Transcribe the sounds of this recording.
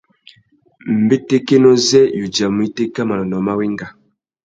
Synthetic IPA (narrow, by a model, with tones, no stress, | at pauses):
m̩˨be˦te˦ke˦nɔ˦zɛ˦ju˨d͡ʒa˨mu˨˦i˦te˦ka˦ma˨lɔ˨nɔ˨ma˦we˦ŋɡa˨